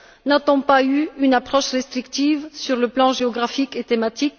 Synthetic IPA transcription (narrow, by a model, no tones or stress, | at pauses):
nat̪ɔ̃payynapχɔʃʁest̪χikt̪ivsyʁləplɑ̃ʒeɔɡʁafiket̪emat̪ik